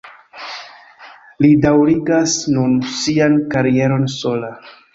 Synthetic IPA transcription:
lidawɾiɡasnunsiankaɾie̞ɾo̞nso̞la

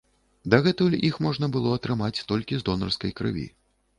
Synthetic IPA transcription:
d̪ɐɣɛt̪ulʲixmɔʐn̪ɐbɨlˠɔɐt̪ɾɨmat͡sʲt̪ɔlʲkʲizd̪ɔnɐrskɐjkɾɨ̰vʲḭ

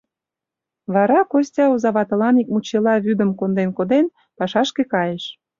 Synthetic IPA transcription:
βɑɾɑkosʲtʲɑuzɑβɑt̪ɤ̆lɑnik̚mut͡ɕelɑβyd̪ə̆mkond̪enkod̪en | pɑʃɑʃkekɑjeʃ

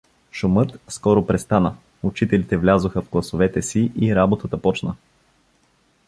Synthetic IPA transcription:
ʃʊmɤt̪skɔɾʊpɾɛst̪anə | ʊt͡ʃit̪ɛlit̪ɛvlʲazoxəvɡlˠɐsovɛt̪ɛsiʔiɾabot̪ət̪əpɔt͡ʃnə

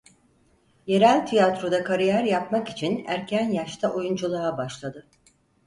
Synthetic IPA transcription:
je̞ɾælʲt̪ʰijat̪ɾo̞d̪akʰaɾijæɾjap̚maki̥t͡ʃʰinæɾcʰænjaʃt̪ʰaʔo̞jund͡ʒulˠaabaʃlˠad̪ɯ

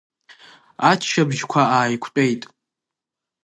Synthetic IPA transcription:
at͡ʃʰʃabʒkʷʰaaːjkʷʰt͡pʼejtʼ

